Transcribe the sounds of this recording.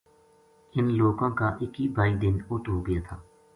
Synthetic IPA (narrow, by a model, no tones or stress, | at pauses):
ɪnloːɡãːkaːʔɪkibʱaːiːd̪ɪnʊt̪ɦoːɡəjaːt̪ʰaː